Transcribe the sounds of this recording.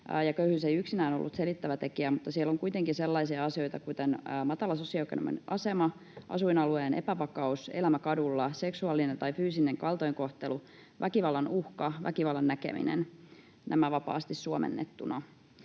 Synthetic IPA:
jɑkøyhysejyksinæːnolːṵt̪selit̪ːæʋæt̪e̞kiæmut̪ːɑsielːoŋkujt̪eŋkiselːɑisiɑɑsio̞jt̪ɑkut̪enːmɑt̪ɑlɑsosiɑkḛnṵmḛnʔɑ̰se̞mɑ | ʔɑ̰suinɑlueːnʔḛpæʋɑkɑusḛlæmækɑdulːɑse̞ksuɑlːinent̪ɑifyːsineŋkɑlt̪oiŋko̞ht̪elu | ʋʔækiʋɑlːɑnuhkɑʋæ̰kiʋɑlːɑnːækḛmḭnḛn | næ̰mæʋɑpɑ̰ːst̪issuomḛnːḛt̪ːunɑ

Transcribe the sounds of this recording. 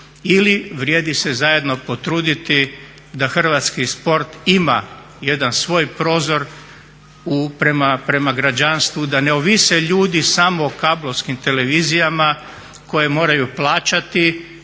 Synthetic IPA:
iliʋɾʲjeːd̪isezaje̞d̪no̞po̞t̪ɾuːd̪it̪i | d̪axr̩ʋat̪skispo̞ɾt̪ima̰ | je̞d̪ansʋo̞ːjpɾo̞ːzo̞ɾ | upɾemapɾe̞maɡɾad͡ʒanst̪ʋud̪ane̞oʋiseʎuːd̪isamoːkablˠoʋskimt̪e̞le̞ʋizijama | ko̞je̞mo̞ːɾajuplˠaːt͡ʃat̪i

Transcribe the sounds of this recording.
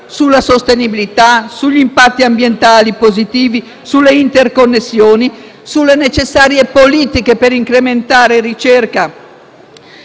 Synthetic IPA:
sulːasost̪enibilit̪asuʎːimpat̪ːiambjent̪aːlipozit̪iːvi | sulːeint̪erkonːesːjoːni | sulːenet͡ʃesːaːɾjepoliːt̪ikepeɾiŋkɾement̪aːɾerit͡ʃerka

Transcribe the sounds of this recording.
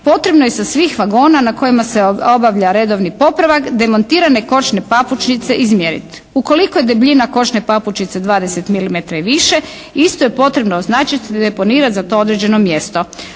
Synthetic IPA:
po̞t̪ɾe̞bnojesasʋiːxʋaɡo̞ːnanako̞jimase̞o̞baʋʎaɾe̞d̪o̞ʋnipo̞pɾaʋakd̪e̞mont̪iːɾane̞ko̞t͡ʃne̞paput͡ʃnit̪se̞ʔizmjeɾḭt̪ | uko̞likoje̞d̪ebʎinako̞t͡ʃnepaput͡ʃnit̪se̞d̪ʋaːd̪e̞se̞t̪milimet̪ɾaiʋiʃe̞ | ist̪ojepo̞t̪ɾe̞bnooznaːt͡ʃat̪d̪epo̞niːɾat̪zat̪o̞od̪ɾed͡ʑe̞no̞mje̞st̪o̞

